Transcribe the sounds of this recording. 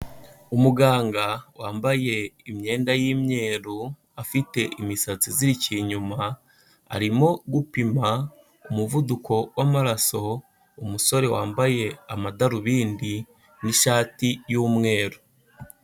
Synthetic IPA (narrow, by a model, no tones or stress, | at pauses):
umuɡaːŋɡawaːmbaje̞imɲe̞ːndajiːmɲe̞ːɾu | afite̞ʔimisat͡siziɾiciɲuma | a̰ɾimo̞ɡupima | umuvudukʰo̞wamaɾaso̞ | umuso̞ɾe̞wa̰ːmbaje̞amadaɾuβiːndi | niʃaːtijuːmŋe̞ːɾo